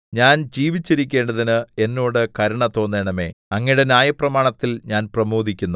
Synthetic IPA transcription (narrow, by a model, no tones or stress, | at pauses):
ɲaːnd͡ʑiːʋit͡ɕːiɾikʲːe̞ːɳɖɐðinɨe̞nːoːɽɨkɐɾuɳɐt̪o̞ːnːeːɳɐme̞̰ːɐŋːɐɽenjaːjɐprɐmaːɳɐt̪ːilɲaːnprɐmoːd̪ikʲːunːu